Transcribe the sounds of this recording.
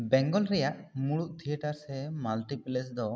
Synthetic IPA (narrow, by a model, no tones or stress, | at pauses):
bɛ̃ŋɡɔlɾɛjaʔmuɽuʔt̪ʰijəʈaɾsɛmalʈiplesd̪ɔ